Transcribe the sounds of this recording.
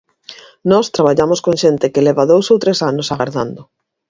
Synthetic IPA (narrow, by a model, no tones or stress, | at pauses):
nɔst̪ɾaβaʎamoskoŋʃent̪ɪkelɛβɐðowsowt̪ɾesanosaɣaɾða̰nd̪ʊ